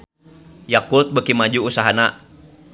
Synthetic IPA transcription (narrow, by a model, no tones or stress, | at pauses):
jakut̪̚bəkimad͡ʒuusaɦana